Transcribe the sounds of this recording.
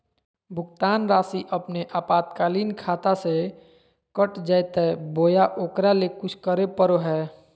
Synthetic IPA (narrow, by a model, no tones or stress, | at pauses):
bʱʊkt̪aːnɾaːsiʔəpneʔaːpaːt̪kaːliːnkʰaːt̪ase | kəʈd͡ʒajt̪ɛboːjaʔoːkɾalekʊt͡ʃʰkəɾepəɾoɦɛː